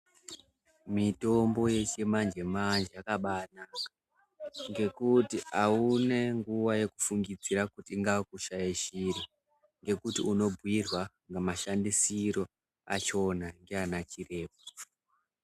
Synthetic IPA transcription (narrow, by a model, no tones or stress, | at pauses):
mito̞mbo̞je̞t͡ʃemand͡ʒe̞mand͡ʒejakaɓana | ŋɡe̞kutiʔaune̞ŋɡuʋaje̞ku̥fuŋɡid͡ziɾakutiːŋɡakuʃajeʃira | ŋɡe̞kutiuno̞bʱwirwa | ŋɡamaʃandisiɾo̞ | at͡ʃo̞naŋɡeanat͡ʃire̞ːpo